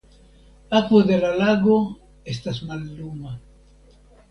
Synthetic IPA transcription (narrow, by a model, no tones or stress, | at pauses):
akwoðelalaɡo | est̪asmalːuma